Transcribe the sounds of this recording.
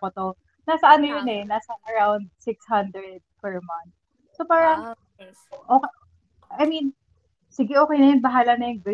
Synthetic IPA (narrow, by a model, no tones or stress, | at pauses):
pot̪o | naːsɐʔɐnojonɛnaːsɐʔɐɹawnd̪̚sɪkshɐnd̪ɹɛd̪̚pɛɹmɐnt̪̚ | sopaːɾɐŋ | ʔoːke | ʔɐjmin | sɪɡɪʔoːkejnɐjʊŋbɐɦaːlɐnɐjʊŋɡ